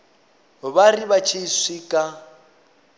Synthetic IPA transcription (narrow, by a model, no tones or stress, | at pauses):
βariβat͡ʃʰeswikʼa